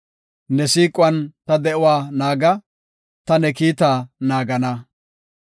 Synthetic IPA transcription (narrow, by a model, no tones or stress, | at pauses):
nɛsiːkʼʊwɐnt̪ɐd̪ɛʔʊwaːnaːɡɐ | t̪ɐnɛkiːt̪aːnaːɡɐnɐ